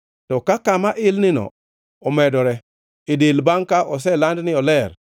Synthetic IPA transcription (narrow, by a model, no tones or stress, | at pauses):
tɔkakamaʔɪlnɪnɔ̰ | ɔmɛdɔɾɛ | edelbaŋkaʔɔs̬ɛlandnɪɔlɛɾ